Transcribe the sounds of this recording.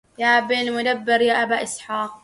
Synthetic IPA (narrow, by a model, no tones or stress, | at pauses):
jaːʔbɪlmʊd̪abːɪɾjaːʔabaːʔɪsħaːq̚